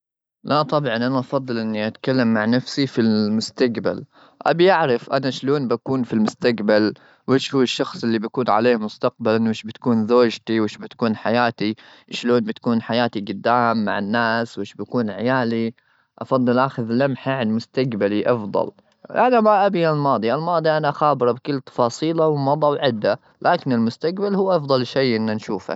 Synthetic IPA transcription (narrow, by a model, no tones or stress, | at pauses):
lʔat̪ˤɑbʕɑnʔanaʔɑfɑd̪ˤːɨlʔɪnːiʔat̪kalːamːaʕnafsifilmʊst̪aɡba̰l | ʔa̰bijaʕɾɪfʔanaʃloːnbakuːnfilmʊst̪aɡbal | wʔɪːʃhuːɪʃːɑxsˤʔɪlːibakuːnʕa̰leːmʊst̪aqbalawɪʃbɪt̪kuːnzoːd͡ʒt̪iwɪːʃbɪt̪kuːnħajaːt̪i | ʃloːnbɪt̪kuːnħajaːt̪iɡʊd̪ːaːmːa̰ʕɪnːaːswʔɪːʃbakuːnʕɪjaːli | ʔɑfɑd̪ˤːɨlʔaxɪðlamħaʕanmʊst̪aɡbaliʔɑfd̪ˤɑ̰l | ʔanamaʔabialmɑːd̪ˤiʔalmɑːd̪ˤiʔanaxaːbɪɾˤɑbkɪlːt̪ɑ̥fɑːsˤiːlawmɑd̪ˤɑwʕɪd̪ːa | lʔaːkɪnɪlmʊst̪akbalhuːʔɑfd̪ˤɑlʃejʔɪnːanʃuːfa̰